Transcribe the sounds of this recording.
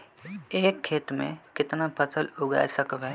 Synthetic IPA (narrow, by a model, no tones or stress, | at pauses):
eːkʰːeːʈmḛ̃kɪt̪napəsəlʊɡa̰ːjsəkbɛː